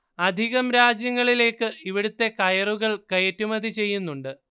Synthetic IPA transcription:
ɐd̪ʱiɣɐmɾaːd͡ʑjɐŋːɐɭile̞ːkːɨiʋiɽut̪ːe̞kɐjɐruɣɐɭkɐjetːumɐd̪ʱit͡ɕe̞jːunːuɳɖɨ

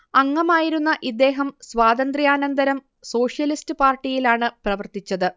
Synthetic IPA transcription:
ɐŋːɐmaːjiɾunːɐʔid̪ːe̞ːɦɐmsʋaːd̪ɐnd̪rijaːnɐnd̪ɐɾɐm | so̞ːʂjɐlistɨpaːrʈːijilaːɳɨprɐʋɐrt̪it͡ɕːɐðɨ

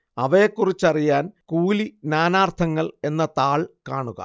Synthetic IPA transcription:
ɐʋɐjekːurit͡ɕːɐrijaːnkuːlinaːnaːrt̪ʰɐŋːɐɭe̞nːɐt̪aːɭkaːɳuɣɐ̰

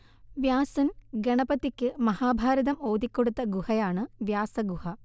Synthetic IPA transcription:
ʋjaːsɐnɡɐɳɐpɐt̪ːikʲːɨmɐhaːbʱaːɾɐd̪ɐmo̞ːd̪ikʲːoɽut̪ːɐɡuhɐjaːɳɨʋjaːsɐɡuhɐ

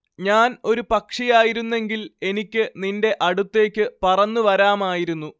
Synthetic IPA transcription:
ɲaːno̞ɾupɐkʂijaːjiɾunːe̞ŋɡile̞nikʲːɨninde̞ʔɐɽut̪ːe̞ːkʲːɨpɐrɐnːuʋɐɾaːmaːjiɾunːu

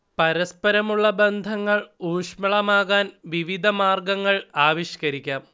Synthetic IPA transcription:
pɐɾɐspɐɾɐmuɭːɐbend̪ʱɐŋːɐɭuːʂmɐɭɐmaːɣaːnʋiʋid̪ʱɐmaːrɡɐŋːɐɭaːʋiɕkɐɾikʲːaːm

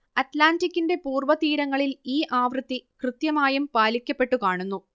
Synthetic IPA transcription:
ɐtlaːntikʲːinde̞puːrʋɐt̪iːɾɐŋːɐɭiliːʔaːʋrɨt̪ːikrɨt̪jɐmaːjumpaːlikʲːɐpːe̞ʈːukaːɳunːu

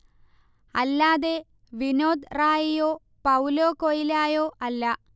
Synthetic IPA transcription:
ɐlːaːðe | ʋinoːd̪raːjijoː | pɐwloːkojilaːjoːʔɐlːɐ

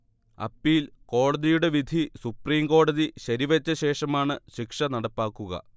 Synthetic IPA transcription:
ɐ̰pːiːlko̞ːɽɐðijuɽe̞ʋid̪ʱisupriːmko̞ːɽɐðiɕɐɾiʋɐt͡ɕːɐɕe̞ːʂɐmaːɳɨɕikʂɐnɐɽɐpːaːkːuɣɐ̰

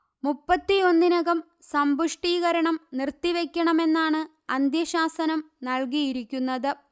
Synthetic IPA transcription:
mupːɐt̪ːio̞nːinɐɣɐm | sɐmbuʂʈiːɣɐɾɐɳɐmnirt̪ːiʋe̞kʲːɐɳɐme̞nːaːɳɨ | ɐnd̪jɐɕaːsɐnɐm | nɐɭkijiɾikʲːunːɐðɨ

